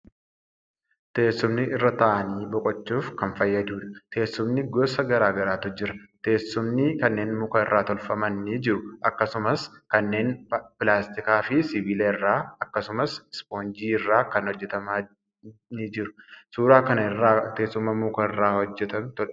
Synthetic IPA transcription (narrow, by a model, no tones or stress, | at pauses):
t̪e̞ːsːʊmnɪɪrːɐt̪ɐʔɐniːbɔkʼɔt͡ʃːuːfkɐnfɐjːɐd̪uːᶑɐ̥t̪ʰe̞ːsːʊmnɪɡoːsɐɡɐɾaːɡɐɾaːt̪ɔd͡ʒːɪɾɐt̪e̞ːsːʊmnɪkɐnːe̞ːnmuːkɐɪrːaːt̪ɔlfɐmɐnːɪd͡ʒɪɾʊʔɐkːɐsʊmɐskɐnːe̞ːnpɪlaːst̪ɪkaːfɪsɪbileːɪrːaːɐkːɐsʊmɐsɪspoːnd͡ʒiːɪrːaːkɐnhɔd͡ʒːɛt̪ɐmaː | nid͡ʒɪɾʊsuːɾaːkɐnɐɪrːaːt̪e̞ːsːʊmːɐmuːkɐɪrːaːhɔd͡ʒːɛt̪ɐnt̪ɔᶑɐ̥